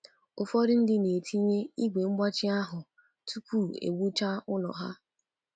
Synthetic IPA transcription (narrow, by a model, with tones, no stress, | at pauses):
o˨fɔ˦ɾɪ˦n̩˦dɪ˦ne˨tʰi˦ɲe˦i˦ɡʷe˨ŋ͡m̩˦ɡ͡ba˦t͡ʃɪ˦a˦ɦʊ˨ | tʰu˦kʷu˦˨ḛ˨ɡʷu˦t͡ʃa˦ʊ˦lɔ̰˨ɦa̰˦